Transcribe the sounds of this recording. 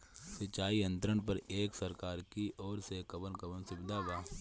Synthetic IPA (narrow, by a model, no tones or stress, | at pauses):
sɪt͡ʃaːiə̃nt̪ɾəɳ̃p̬ɐɾeːksɐɾkaːɾkiʔɔːɾsekɐbənkɐbənsɪbɪd̪ʱaʋaː